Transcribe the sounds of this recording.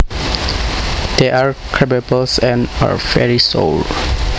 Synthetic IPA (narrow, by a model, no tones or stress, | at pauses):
d̪̥eʔaɹkʰɹɛbɛbəlsɛ̃na̰ɹvɛ̰ɹiso̰l